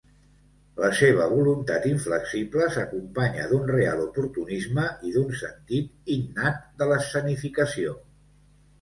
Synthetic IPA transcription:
ləseβ̞əβulunt̪at̪iɱfləksibləsəkumpaɲə̰ðunrea̰lˠupuɾt̪unizməʔiðunsənt̪it̪innat̪̚d̪ələsənifikəsio

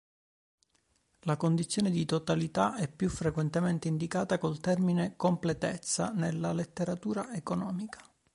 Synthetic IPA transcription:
lakond̪it̪sːjoːned̪it̪ot̪alit̪aɛpːjufɾekwɛnt̪ement̪eind̪ikaːt̪akolt̪ɛrminekomplet̪et̪sːa̰nelːalet̪ːeɾat̪uːɾaekonɔːmikḁ

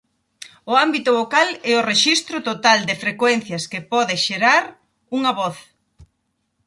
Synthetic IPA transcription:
ʊambit̪ʊβokalɛʊreʃist̪ɾʊt̪ot̪ald̪ɪfɾekwɛn̟θjɐskepɔðɪʃeɾaɾ | uŋɐβɔθ

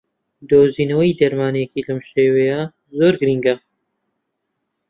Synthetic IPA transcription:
d̪oːziːnɐwɐjd̪ɐɾmaːnekiːlɐmʃeːweja | zoːɾɡɾiŋɡɐ

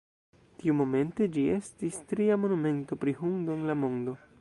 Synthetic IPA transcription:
tiumo̞me̞nte̞d͡ʒie̞stistɾiamo̞nume̞nto̞pɾiɦuŋdoenlamo̞ndo̞

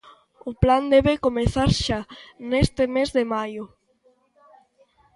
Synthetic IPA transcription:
ʊpland̪ɛβekomeθaɾʃanest̪ɪmezðemajo

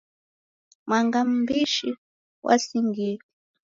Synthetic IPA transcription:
mwaŋɡam̩biʃi | wʔa̰siŋɡili

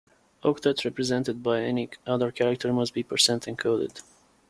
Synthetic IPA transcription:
ʔokt̪ətɹɛpɹɨzɛ̃ntɨd̪̚baɪɛniʌðəɹkʰæɹak̚tʰəɹmʌstb̥ipʰəɹsɛ̃ntɨ̃nkʰoʊdɪ̰d̪̥

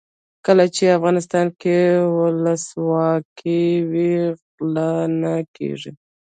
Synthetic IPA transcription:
kəlat͡ʃeafɣɑnɪst̪ɑnkewʊlaswɑkʰiwi | lanakḛʐḭ

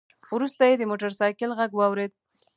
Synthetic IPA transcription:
wɾust̪ajed̪əmoʈaɾsɑjkɪlɣaɡwɑwɾed̪̚

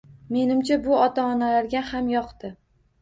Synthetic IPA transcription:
me̞nɪmt͡ʃʰabʊɒt̪ʰaɒnalaɾɡʲahamjɒqt̪ɪ

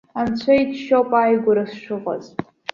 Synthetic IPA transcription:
ant͡ɕʷʰaitʰʃopʼajɡʷʊɾasʂɨʁʷʼa̰ztʼ

